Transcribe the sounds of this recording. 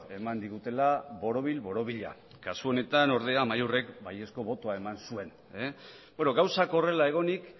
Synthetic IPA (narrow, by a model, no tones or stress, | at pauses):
e̞mand̪iɣ̞ut̪e̞laβo̞ɾo̞β̞ilβo̞ɾo̞βiʎa̰ | kasuo̞ne̞t̪ano̞ɾð̞e̞amajure̞kbaje̞sko̞βo̞t̪o̞ae̞mansue̞n | e | bweno̞ɣawsakore̞lae̞ɣ̞o̞nik